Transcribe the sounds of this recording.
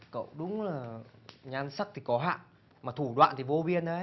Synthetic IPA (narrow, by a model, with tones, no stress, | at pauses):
kə̰˧˨wɗʊ˨˦ŋ͡mlaː˨˩ɲaː˧nsa˦˥k̚t̪ʰi˨˩kɔ˨˦ɦa̰ː˧˨ | maː˨˩t̪ʰu˧˩ɗwa̰ː˧˨nt̪i˨˩vo˧ɓi˧ənʔə˨˦